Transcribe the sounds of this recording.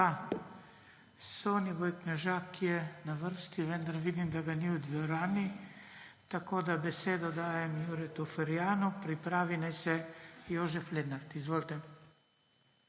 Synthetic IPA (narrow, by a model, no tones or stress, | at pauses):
a | soːnibojknɛʒaːkʰːijɛnaʋəɾst̪iʋɛnd̪aɾʋid̪imd̪aɡaniud̪ʋɔɾaːni | t̪akoːd̪abɛseːd̪ɔd̪aːjɛmjuɾɛt̪ɔfɛɾjaːnupɾipɾaːʋinajsɛjoːʒɛfleːd̪naɾt̪izʋoːlt̪ɛ